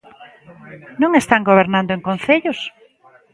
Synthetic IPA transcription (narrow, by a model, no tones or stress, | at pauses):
nõŋest̪aŋɡoβ̞eɾnãnd̪oeŋkõnθeʎʊs